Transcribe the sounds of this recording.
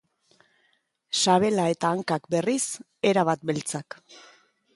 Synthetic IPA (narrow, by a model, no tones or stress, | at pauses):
saβ̞e̞lae̞t̪aːŋkakbe̞ris | e̞ɾaβ̞at̪̚be̞lt͡sak